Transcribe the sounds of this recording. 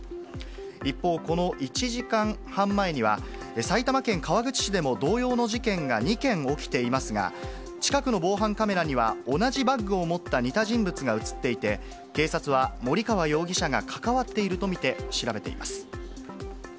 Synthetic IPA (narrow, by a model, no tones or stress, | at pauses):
ipːo̞ːko̞no̞ʔit͡ɕiʑikãŋhãmːae̞ɲ̟iβa̰ | esait̪amakẽ̞ŋkaβ̞aɡɯ̟t͡ɕi̥ɕid̪e̞mo̞d̪o̞ːjo̞ːno̞ʑikẽ̞ŋɡaɲ̟ikẽ̞ŋo̞kʲi̥t̪e̞imasɨɡa̰ | t͡ɕi̥kakɯ̟no̞bo̞ːɦãŋkame̞ɾaɲ̟iβ̞ao̞naʑibaŋɡɯ̟o̞mo̞t̪ːaɲ̟it̪aʑĩmbɯ̟t͡sɨɡaɯ̟t͡sɨ̥t̪ːe̞it̪e̞ | ke̞ːsat͡sɨβ̞amo̞ɾʲikaβajo̞ːɡʲiɕaɡakʰḁkaβat̪ːe̞iɾɯ̟t̪o̞mʲit̪e̞ɕiɾabe̞t̪e̞̰ḭmasɨ̥